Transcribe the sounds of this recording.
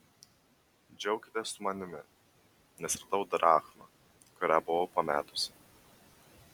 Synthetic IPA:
d͡ʒʲɛʊkʲɪt̪ʲeːsːʊmɐnʲɪmʲɪ | nʲɛsɾɐd̪ɐʊd̪ɾɑːxmɐ | kʊɾʲæbʊʋopɐmʲæ̰ːt̪ʊsʲɪ

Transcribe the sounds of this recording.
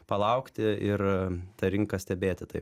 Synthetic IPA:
pɐlˠɐʊkt̪ʲɪɪrt̪ɐɾʲɪŋkɐsʲt̪ʲɛbʲeːt̪ʲɪt̪ɐɪ

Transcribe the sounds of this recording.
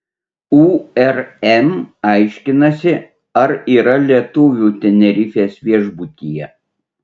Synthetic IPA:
uɛɾɛmɐɪʃʲkʲɪnɐsʲɪ | ɐɾiːɾɐlʲiɛt̪ʊʋʲuːt̪ʲɛnʲɛɾʲɪfʲeːsʋʲiɛʒbut̪ʲiːjɛ

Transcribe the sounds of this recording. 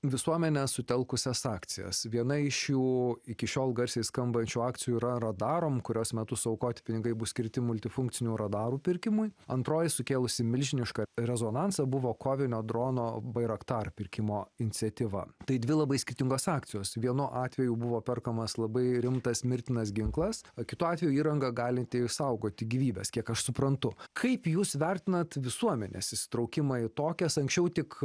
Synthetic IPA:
ʋʲɪsuɔmʲɛnʲɛsʊt̪ʲɛlˠkʊsʲɛsɑːkt̪sʲɪjɛ̰sʋʲiɛnɐɪʃjuːɪkʲɪʃʲoːlˠɡɐɾʲsʲeɪskɐmbɐnʲt͡ʃʲuːɑːkt̪ʲɪjuːɾɐɾɐd̪ɑːɾoːmkʊɾʲoːsmʲɛt̪ʊsɐʊkoːt̪ʲɪpʲɪnʲɪɡɐɪbʊsʲkʲɪɾʲt̪ʲɪmʊlʲt̪ʲɪfʊŋkt̪ʲɪnʲuɾɐd̪ɑːɾuːpʲɪɾʲkʲɪmʊjɐnt̪ɾoːjɪsʊkʲeːlˠʊsʲɪmʲɪlʲʒʲɪnʲɪʃkɐɾʲɛzoːnɑnsɐbʊʋoːkoːʋʲɪnʲoːd̪ɾoːnoːbɐɪɾɐkt̪ɑːɾpʲɪɾʲkʲɪmoːɪnʲɪt͡s̪ʲɛt̪ʲɪʋɐ̰t̪ɐɪd̪ʲʋʲɪlˠɐbɐɪsʲkʲɪɾʲt̪ʲɪŋɡoːsɑːkt̪ʲɪjoːsʋʲiɛnʊʔɑːt̪ʲʋʲɛjuːbʊʋoːpʲɛrkɐmɐslˠɐbɐɪɾʲɪmt̪ɐsmʲɪɾʲt̪ʲɪnɐs̬ɡʲɪŋklˠɐskʲɪt̪uːɑːt̪ʲʋʲɛjuːiːɾɐŋɡɐɡɑːlʲɪt̪ʲɪsɐʊɡoːt̪ʲɪɡʲiːʋʲiːbʲɛ̰skʲiɛkɐʃsʊpɾɐnt̪ʊkʰɐɪpjuːsʋʲɛɾʲt̪ʲɪnɐt̪ʋʲɪsuɔmʲɛnʲɛ̰sɪʃʲsʲɪ̥t̪ɾɐʊkʲɪmɐɪt̪oːkʲɛsɐŋksʲt͡ʃʲɛʊt̪ʲɪk

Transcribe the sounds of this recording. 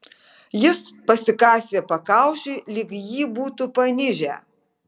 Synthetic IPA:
jɪspɐsʲɪkɑːsʲeːpɐkɑˑʊʃʲɛɪlʲɪkjiːbuːt̪upɐnʲɪʒʲæ̰ː

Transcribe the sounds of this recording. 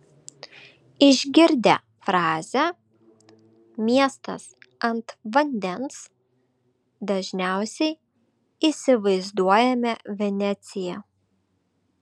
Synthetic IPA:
ɪʒʲɡʲɪɾʲd̪ʲɛ̰ | fɾɑːzʲɛ | mʲiɛst̪ɐ̰sɐnt̪ʋɐnʲd̪ʲɛns | d̪ɐʒʲnʲæˑʊsʲɛɪ | isʲɪʋɐɪzd̪uɔjɛmʲɛʋʲɛnʲɛt̪sʲɪjɛ

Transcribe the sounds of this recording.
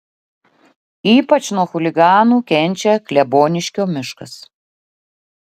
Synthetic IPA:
iːpɐt͡ʃnuɔxʊlʲɪɡɑːnuːkʲɛnʲˑt͡ʃʲɛklʲɛboːnʲɪʃʲkʲoːmʲɪʃkɐs

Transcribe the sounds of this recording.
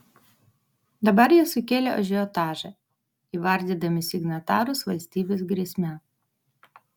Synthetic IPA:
d̪ɐbɐɾjiɛsʊkʲeːlʲɛɔ̰ʒʲɛɔt̪ɑːʒɐ | iˑʋɐɾʲd̪ʲiːd̪ɐmʲɪsʲɪɡnɐt̪ɑːɾʊsʋɐlʲsʲt̪ʲiːbʲes̬ɡɾʲiɛsʲmʲɛ

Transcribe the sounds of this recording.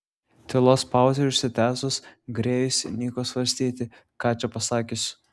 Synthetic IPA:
t̪ʲɪlˠoːspɑˑʊzʲɛɾʲʊʃʲsʲɪt̪ʲæːsosɡɾʲeːjʊsʲnʲiːkoːsʋɐɾʲsʲt̪ʲiːt̪ʲɪ | kɑːt͡ʃʲɛpɐsɑːkʲɪsʲʊ

